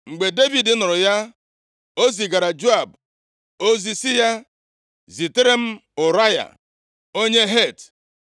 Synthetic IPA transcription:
ŋ͡m̩˨ɡ͡be˨de˦vi˨dɪ˦nʊ˨ɾʊ˨ja˦ | o˦zi˨ɡa˨ɾa˨d͡ʒo˦a˨b | o˦zi˨si˦ja˦ | zi˨te˦ɾe˦m̩˦ʊ˨ɾa˦ja̰˨ | o˦ɲe˦ɦe˦˨t

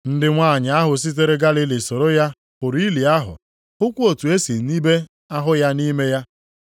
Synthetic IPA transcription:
n̩˦dɪ˦ŋʷaː˦˨ɲa˨a˦ɦʊ˨s̬i˦t̬e˦ɾe˦ɡa˦li˦li˨so˨ɾo˦ja˦ | pʊ˨ɾi˦li˨a˦ɦʊ̰˨ | ʊ˦kʷu˦o˨tu˨e˦si˨˦ni˦be˦ | a˦ɦʊ˦ja˦ni˦me˦ja˦

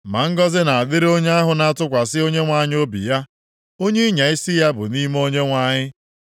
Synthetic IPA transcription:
ma˨ŋ̩˦ɡɔ˦zɪ˦na˨a˨dɪ˦ɾo˦ɲe˦a˦ɦʊ˨na˦tʊ˦kʷa˨sɪ˦o˦ɲe˦ŋʷa˨ɲɪ˦o˦bḭ˨ja˦ | o˦ɲe˦ɲa˨ɪ˦sɪ˦ja˦bʊ̰˨ni˦m˦o˦ɲe˦ŋʷa˨ɲɪ˦

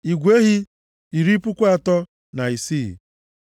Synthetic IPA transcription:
i˨ɡʷe˦ɦi˦ | i˨ɾi˦pʊ˦kʷa˨tɔ˦ | na˨i˨sḭ˦˨

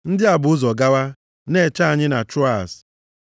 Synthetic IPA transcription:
n̩˦dɪ˦a˨bʊ˨ʊ˦zɔ˨ɡa˦wa˦ | ne˦˨t͡ʃa˦a˨ɲɪ˦na˨tɾɔ˦a̰˨s

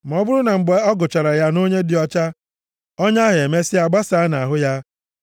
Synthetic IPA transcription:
m˨ɔ˦bʊ˦ɾʊ˦na˨ŋ͡m̩˨ɡ͡be˨ɔ˦ɡʊ˨t͡ʃa˨ɾa˨ja˦no˦ɲe˦dɪ˨ɔ˦t͡ʃa˦ | ɔ˦ɲa˦ɦɪ˨e˨me˦sɪ˦a˨ɡ͡ba˦sa˦a˦na˨ɦʊ˦ja˦

